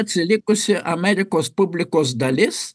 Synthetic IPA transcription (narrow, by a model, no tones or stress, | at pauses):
ɐt̪ʲsʲɪlʲɪkʊsʲɪʔɐmʲɛɾʲɪkoːspʊbʲlʲɪkoːsd̪ɐlʲɪs